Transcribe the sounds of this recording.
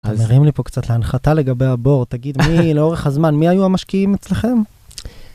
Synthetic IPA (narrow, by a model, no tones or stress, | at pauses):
ameʁimlipo̞kt͡sat̪leanχat̪ale̞ɡabe̞jabo̞ʁt̪aɡid̪mileo̞ʁeχhazmanmiajuamaʃkiimet͡sle̞χe̞m